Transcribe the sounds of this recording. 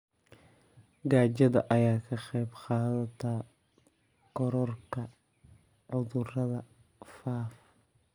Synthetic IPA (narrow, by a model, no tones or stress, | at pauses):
ɡaːt͡ʃɐðɐʔɐjaːkʰɐχɛjbqɑːðɐt̪ʰɐ | ɡɔɾɔrkʰɐ | ʕʊðʊrɐðɐ | faːf